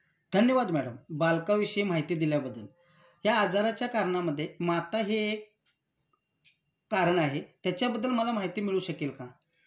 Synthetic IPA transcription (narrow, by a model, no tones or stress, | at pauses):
d̪ʱənjəʋad̪mæɽəmbalkaʋiɕim̤aɦijt̪iːd̪iljabəd̪ːəl | ɦjaːd͡zaɾat͡ɕjakaɾɳaməd̪ʱːjemat̪aɦeːk | aɾəɳaɦet̪jat͡ɕjabəd̪ːəlməlamaɦjt̪iːmiɭuːɕəkelkã